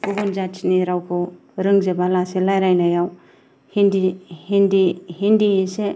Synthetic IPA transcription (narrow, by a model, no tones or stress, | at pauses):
uɡunzat͡ʃniɾawkʰɯ | ɾɯŋzebalaselajɾajnajaw | hindihindihindiese